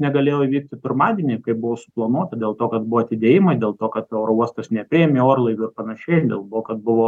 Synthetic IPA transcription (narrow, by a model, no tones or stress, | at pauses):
nʲɛɡɐlʲeːjoːiʋʲiːk̚t̪ʲɪt̪ʊrmɑːd̪ʲieːnʲɪkɐɪp̚bʊʋoːsʊ̥plˠɐnuɔt̪ɐd̪ʲeːlˠt̪oːkɐt̪bʊʋoːɐt̪ʲɪd̪ʲeːjɪmɐɪdʲeːlˠt̪oːkɐt̪ɛʊɾouɔst̪ɐsnʲɛpʲɾʲɪɛːmʲeːoːɾlˠɐɪʋʲʊɪrpɐnɐʃʲɛɪd̪ʲḛːlˠt̪oːkɐt̪̚bʊʋoː